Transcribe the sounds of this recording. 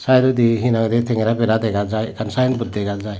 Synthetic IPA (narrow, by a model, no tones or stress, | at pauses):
sajdɔdiɦinaŋdetʰeŋɾabeɾadeɡazajkansajnbut̚deɡazaj